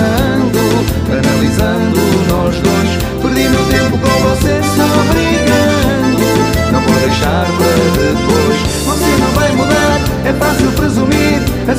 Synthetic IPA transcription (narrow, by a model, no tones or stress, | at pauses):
ɐnd̪u | ɐnɐlˠizɐ̃nd̪uʒnɔʒðujʃ | pɨɾðĩnd̪ut̪ẽmpukõvɔseʃnɐ̃w̃ɐβɾiɣɐnd̪u | nɐ̃w̃pɔɾðɐjʃaɾpɐɾðɨpojʃ | vɔsenɐ̃w̃vajmuðaɾ | ɛfasilˠpɾɨzumiɾ | ɐ